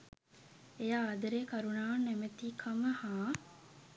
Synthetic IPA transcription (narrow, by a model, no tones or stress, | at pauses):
ejaːd̪ɐɾeːkɐɾunaːnːemet̪iːkʰɐməhaː